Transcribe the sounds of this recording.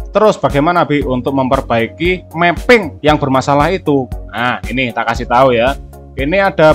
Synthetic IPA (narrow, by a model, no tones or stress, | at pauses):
t̪əɾʊsb̥aɡajmanab̥iunt̪ʊk̚məmpərb̥aikimepɪŋjaŋb̥ərmasalahit̪uʔainɪt̪aʔkasɪht̪auja | iniaɖ̥a̤